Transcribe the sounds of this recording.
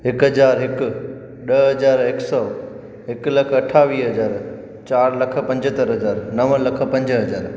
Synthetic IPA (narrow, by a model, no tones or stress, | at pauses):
ɦɪkɦɐd͡ʑaːɾɦɪk̆ | ɗəɦɐd͡ʑaːɾɪksɔː | ɦɪklɐkʰɐʈʰaːʋiːɦɐd͡ʑaːɾ | t͡ɕaːɾlɐkʰə̆pɐ̃ɲd͡ʑət̪əɾɦɐd͡ʑaːɾnɐʋə̃lɐkʰə̆pɐ̃ɲd͡ʑɦɐd͡ʑaːɾ